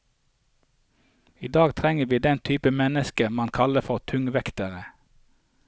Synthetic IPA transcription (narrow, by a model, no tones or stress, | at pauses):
iːd̪ɑːɡt̪ʰʁɛŋəʋiːd̪ɛnt̪ʰyːpəmɛnəskəmɑnkʰɑləfɔʁt̪ʰʉŋʋɛkt̪əʁə